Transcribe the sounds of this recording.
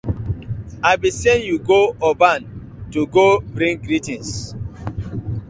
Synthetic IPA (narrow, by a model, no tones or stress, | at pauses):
aɪbisenjuɡoɔbãn | tuɡobɾĩŋɡɾitĩns